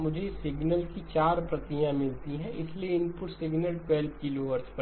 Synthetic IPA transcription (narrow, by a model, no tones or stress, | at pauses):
mʊd͡ʒʱesɪɡnəlkit͡ʃaːɾpɾɐt̪ijãmɪlt̪iɦɛ̃ɪslieɪnpʊʈsɪɡnəlpɛːlpkɪloːʋəɾt͡ʃpɐ